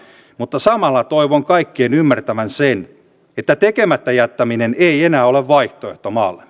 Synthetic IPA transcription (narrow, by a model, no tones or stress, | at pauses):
mut̪ːɑsɑmɑlːɑt̪oiʋoŋkɑikːeːnymːært̪æʋænsen | et̪ːæt̪ekemæt̪ːæjæt̪ːæmineneienæːo̞leʋʋɑiht̪oeht̪omɑːlːe